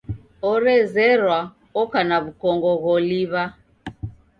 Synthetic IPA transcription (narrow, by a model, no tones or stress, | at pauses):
ɔɾɛzɛɾwa | ɔkanaβukɔŋɡɔɣɔliβa